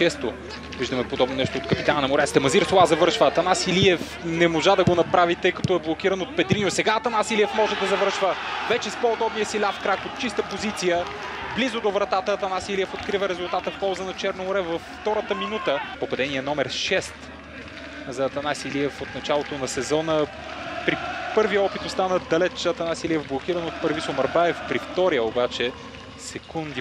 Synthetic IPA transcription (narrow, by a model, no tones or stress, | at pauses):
t͡ʃɛst̪o | viʒd̪əmɛpod̪ɔbnonɛʃt̪ot̪kɐpit̪anɐnɐmoɾɛst̪ɛmɐziɾsolˠazɐvɤɾʃvəːt̪ɐnasiliɛf | nɛmoʒad̪ɐɡonɐpɾavit̪ɤjkɐ̥t̪ɔɛblˠokʲiɾəɐnot̪̚pɛd̪ɾinosɛɡaːt̪ɐnasilijɛfmɔʒɛd̪ɐzɐvəɾʃvəvɛt͡ʃɛspoːd̪ɔbnijəsilʲafkɾakot̪̚t͡ʃist̪əpozit̪sijə | blizʊd̪ovɾɐt̪at̪əːt̪ɐnasiliɛfot̪kɾivəɾɛzʊlˠt̪at̪əfpɔlˠzənɐt͡ʃɛɾnoʊɾɛvɐfːt̪ɔɾət̪əminut̪əpopɐd̪ɛniɛnɔmɛɾʃɛst̪ | zɐːt̪ɐnasiliɛfot̪nɐt͡ʃalˠot̪onɐsɛzɔnə | pɾipɤɾviəɔpit̪otst̪anəd̪ɐlɛt͡ʃɐt̪ɐnasiliɛvblˠok̟iɾənot̪̚pəɾvisomɐɾbaɛfpɾift̪ɔɾijəobat͡ʃɛ | sɛkund̪i